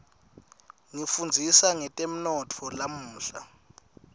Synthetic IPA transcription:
ŋifund͡zʱisaŋɛtʼem̩nɔtʰɔlamuːɬa̰

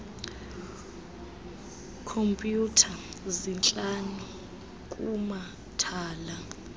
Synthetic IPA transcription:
kʰompʼjutʰazint͡ɬʼanu | kʼuma | tʰaːla

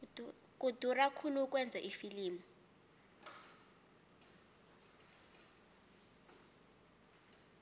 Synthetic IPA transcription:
k̬ʼudʱurakʰuluk̬ʼwɛnd͡zʱɛʔifiliːmu

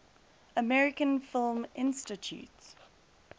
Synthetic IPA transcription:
əmɛɹɪkə̃nfɪlˠmɪ̃nstɪtʰjṵːts

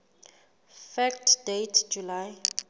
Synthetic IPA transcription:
fɛktʰdetʰd͡ʒulaj

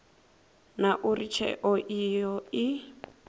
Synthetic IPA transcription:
naʔurit͡ʃʰɛ̰ʔɔʔijɔɪ

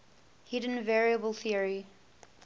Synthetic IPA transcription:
hɪdə̃nvɛɹiəbəlˠθiəɹi

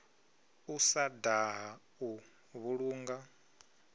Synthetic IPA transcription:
usadaɦa | u | βuɺuːŋɡa

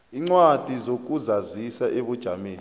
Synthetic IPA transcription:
iŋ͡ǀwad̥ʱizok̬uzazisaʔeɓud̥ʒ̥ʱameːn

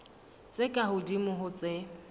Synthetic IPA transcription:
t͡sʼɪkʼahʊdimʊɦʊt͡sʼɪ

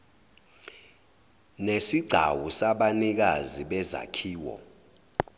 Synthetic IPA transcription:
nesiɡ͡ǀʱa̰wusaɓanik̬aziɓɛza̰kʰiːwɔ̰

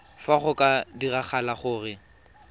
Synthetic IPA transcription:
faχʊkʼadiraχʰalaχʊːrɪ

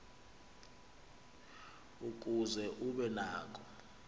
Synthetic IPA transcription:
uk̬ʼuzɛʔuɓɛnaːk̬ʼɔ̥

